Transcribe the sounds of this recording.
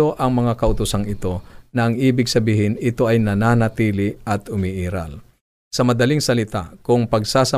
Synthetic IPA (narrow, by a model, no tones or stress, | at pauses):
o̞ʔɐŋmɐŋakɐʔʊt̪ʊsaŋɪt̪o̞nɐʔɐŋʔiːbɪɡ̚sɐbiːhɪnɪt̪o̞ʔɐjnɐnaːnɐt̪iːlɪɐt̪ʊmiʔiːɾɐ̰l | sɐmɐd̪ɐliŋsɐlɪt̪a̰kʊŋpɐɡsaːsɐ